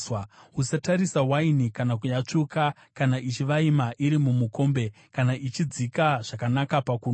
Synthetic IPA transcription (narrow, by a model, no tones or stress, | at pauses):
wɦusataɾisawainikanak̬ujat͡ʂuka | kanaʔit͡ʃiʋaimaʔiɾimumuko̞mbe̞ | kanaʔit͡ʃid͡zikaʐ̥akanakapakuːn